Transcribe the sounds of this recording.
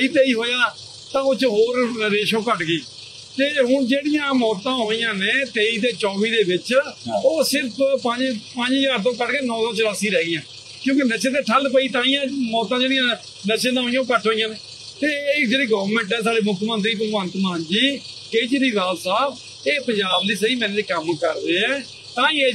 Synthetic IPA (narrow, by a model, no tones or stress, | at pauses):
əiːt̪eːiːɦoːjãː | t̪ãːʊt͡ʃɦoːɾɾeːʃõːkəʈɡiː | t̪eːɦʊnd͡ʒeːɽɪjãːmɔːt̪ãːɦoːijãːneːt̪eːiːt̪eːt͡ʃɔːʋiːd̪eːbɪt͡ʃoːsɪɾpʰpəɲd͡ʒpə̃ɲd͡ʒɦəzaːɾt̪̬õːkəʈkeːnɔ̃ːt̪õːt͡ʃəɾəsiːɾɛːijãː | kjõːkenəʃẽːt̪eːʈʰəlpəiːt̪ãːĩːãːmɔːt̪ãːd͡ʒeːɽijãː | nəʃẽːd̪ãːɦoːijãːkəʈʰɦoːĩjãːneː | t̪eːd͡ʒeːɽiːɡəːʋəɾmɛ̃ːɳʈɛːsaːɖeːmʊkʰmə̃nt̪ɾiːp̬əɡʋə̃nt̪maːnd͡ʒiː | keid͡ʒeːɾiːɾaːlsaːb | eːpəɲd͡ʒaːbliːsəiːmɛ̃ːnːekəmkəɾd̪eːɛː | t̪ãːĩːeː